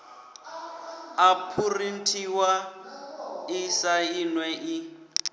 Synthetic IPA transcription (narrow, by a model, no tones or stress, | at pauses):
apʰurin̩tʰiwa | isainwɛʔi